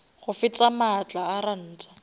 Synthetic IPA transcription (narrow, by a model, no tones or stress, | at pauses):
χʊfɪt͡sʼamat͡ɬʼaːran̩ːt͡sʼḁ